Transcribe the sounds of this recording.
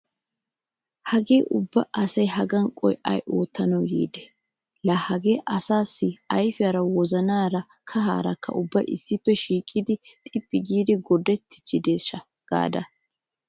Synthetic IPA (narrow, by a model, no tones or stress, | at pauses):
hɐɡe̞ːʔʊbːɐʔɐsɐjɦɐɡɐŋkʼɔ̰jʔɐ̰jʔoːt̪ːɐnɐwjḭːd̪ɛ̥ | lahɐɡe̞ːʔɐsaːsːɪɐjfɪjɐɾɐwɔzɐnaːɾɐ | kʰɐɦa̰ːɾɐkːɐ̰ʔʊbːɐjɪ̰sːɪpːɛʃiːkʼːɪd̪ɪt̪ʼɪpʼːɪɡiːd̪ɪɡɔd̪ɛt̪ʰːɪ̥t͡ʃːɪd̪e̞ːʃɐ | ɡ̥a̰ːd̪ɐ